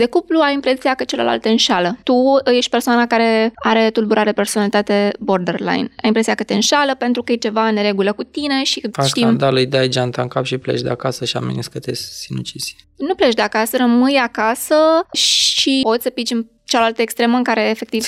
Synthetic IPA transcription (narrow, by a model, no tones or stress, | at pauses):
d̪e̞kupluajimpɾe̞sijakət͡ʃelela̰lt̪eɨnʃalət̪uje̞ʃt̪̚ʲpe̞rsoanakaɾe̞aɾe̞t̪ulbuɾʔaɾeeperso̞nalit̪at̪e̞bo̞rd̪erla̰jnajimpɾe̞sijakət̪e̞ɨnʃaləpe̞nt̪ɾukəjet͡ʃe̞vaneɾe̞ɡuləkut̪ine̞ʃifaʃst̪iand̪alujd̪eajd͡ʒant̪aŋkapʃiplḛt͡ʃd̪eakasəʃia̰mḛnḭskət̪esinut͡ʃisʲnuplet͡ʃd̪e̞akasəɾəmɨjakasəʃipo̞t̪sʲsəpit͡ʃɨn | t͡ʃalalt̪əekst̪ɾe̞məɨŋkaɾe̞ːfe̞k̚t̪iv